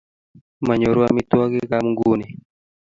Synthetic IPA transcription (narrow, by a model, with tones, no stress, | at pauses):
ma˨ɲo˨ɾo˦ami˦t̪u˦aɣe˦ɣa˦muŋɡu˦ni˨